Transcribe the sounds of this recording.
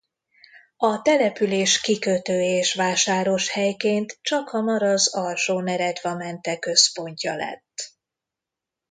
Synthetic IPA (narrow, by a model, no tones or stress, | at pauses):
ɒt̪ɛlɛpyleːʃkikøt̪øːeːʃʋaːʃaːɾo̞ʃhɛjkeːnt̪t͡ʃɒkhɒmɒɾɒzɒlʃoːnɛɾɛd̪vɒmɛnt̪ɛkø̞spo̞ɲcɒlɛ̰t̪ː